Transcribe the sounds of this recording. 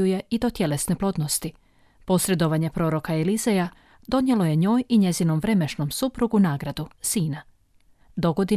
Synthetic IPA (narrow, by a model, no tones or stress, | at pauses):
uje̞id̪o̞t̪jele̞sne̞plˠo̞d̪nost̪i | po̞sɾe̞d̪o̞ʋaɲe̞pɾo̞ːɾo̞kaelizeja | d̪o̞nje̞lˠo̞je̞ɲo̞ːjiɲe̞zino̞mʋɾe̞me̞ʃno̞msupɾuɡunaːɡɾad̪usiːna | d̪o̞ɡo̞d̪i